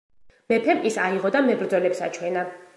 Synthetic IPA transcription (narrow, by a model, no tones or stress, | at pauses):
mɛpʰɛmisaiʁɔd̪amɛbɾd̪zɔlɛpsa̰t͡ʃʰwɛna